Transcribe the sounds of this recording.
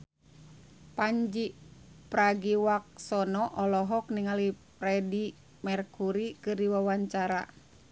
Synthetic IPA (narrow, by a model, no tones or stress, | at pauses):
paɲd͡ʒipɾaɡiwak̚sɔnɔʔɔlɔɦɔk̚niŋalipɾɛdi | mɛrkuɾikɨrdiwawaɲt͡ʃaɾa̰